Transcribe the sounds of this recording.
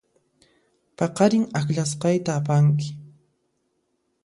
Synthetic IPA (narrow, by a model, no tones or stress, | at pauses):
pɑqɑɾɪŋakʎasqɑjt̪aːpaŋk̬ɪ̥